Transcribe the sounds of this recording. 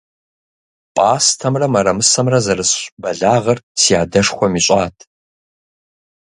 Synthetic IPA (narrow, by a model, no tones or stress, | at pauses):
pʼaːstʰɐmrɐmɐɾɐmɨsɐmrɐzɐrɨɕbɐɮaːʁɐrsiaːdɐʂxʷɔmiːɕʼaːtʰ